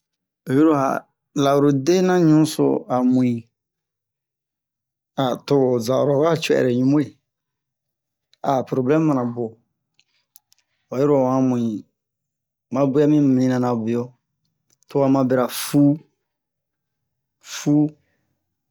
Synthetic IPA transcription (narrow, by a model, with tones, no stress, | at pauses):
o˨ju˦ɾo˦˨a̰˨ | la˨o˨ɾo˨de˦nã˦ɲũ˦so̰˦˨a˨mũ˨ĩ˨ | a˨to˦˨za˨o̰˨ɾo˨ka˦t͡ʃɛ̰˨ɾe˨ɲũ˦mõ˦e˨ | a˨pɾo˨blɛ̃˦mː˦a˨nã˨bo˨ | wa˨jo˦ɾo˦˨ã˨mũ˨ĩ˨ | mã˨bu˦a˦mĩ˦mi˨nĩ˦nã˨nã˨bu˨jo˦ | to˨a˨mã˨bɛ˦ɾa˨fu˦ | fu˦